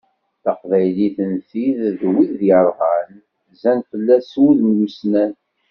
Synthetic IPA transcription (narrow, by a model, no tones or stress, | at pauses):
θɑqvæjliθənθiððwiððjəɾˤʁən | zænfəlːæswuðnwusnæn